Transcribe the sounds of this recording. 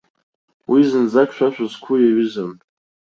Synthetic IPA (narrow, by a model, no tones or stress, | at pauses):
wizɨnzakʃʷᶣaʃʷᶣazkʷʰʊjaɥʏzam